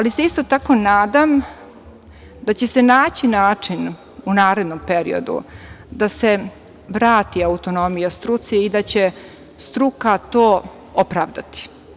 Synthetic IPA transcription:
aliseist̪ot̪ako̞naːd̪am | d̪at͡ɕe̞senaːt͡ɕinaːt͡ʂin | unaːɾe̞d̪nompe̞ɾḭo̞̰d̪ṵ | d̪ase | ʋɾaːt̪iaut̪o̞no̞mijast̪ɾut̪siid̪at͡ɕe | st̪ɾukat̪oː | opɾa̰ːʋd̪a̰t̪i̥

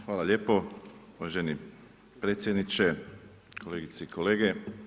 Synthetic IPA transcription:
xʋaːlˠaʎeːpo̞uʋaʒeni | pɾet̪sjed̪nit͡ʃe | ko̞le̞ːɡit̪seikole̞ːɡe

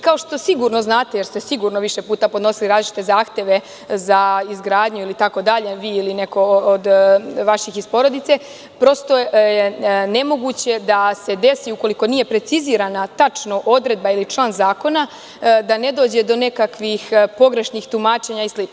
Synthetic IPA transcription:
kao̞ʃt̪o̞siɡuɾno̞znaːt̪ejeɾst̪esiɡuɾnoʋiʃe̞puːt̪apod̪no̞siliɾaːzlit͡ʃi̥t̪e̞zaːxt̪jeʋe̞ | zaizɡɾaːd̪ɲuilit̪ako̞d̪aʎe̞ʋiːiline̞ko̞od̪ʋaʃixispo̞ɾo̞d̪it̪se̞ | pɾo̞st̪o̞jene̞mo̞ɡut͡ɕe̞d̪ase̞d̪e̞siuko̞liko̞nije̞pɾe̞t̪siziːɾanat̪at͡ʃno̞ʔo̞d̪ɾed̪̚bailit͡ʃlˠaːnzaːko̞na | d̪ane̞d̪o̞ːd͡ʑe̞d̪o̞ne̞kakʋixpo̞ɡɾe̞ʃnixt̪umaːt͡ʃe̞ɲaisli

